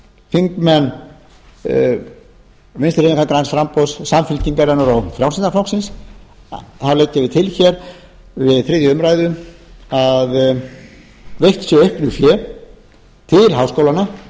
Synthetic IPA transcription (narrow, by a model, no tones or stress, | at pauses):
fiŋkmɛnː | vɪnst̪ɪɾɪnkʰakɾansfɾampɔwssamfɪlc̪iŋkaɾɛnʏɾawfɾawsɪnt̪aflowksɪns | θawleːjcːavɪt̪ʰɪlçɛɾ | vɪðθɾiːðjʏʏmɾajðʏað | vejht̪sjɛœɥhpnʏfjɛɾ | t̪ʰɪlɦawskowlana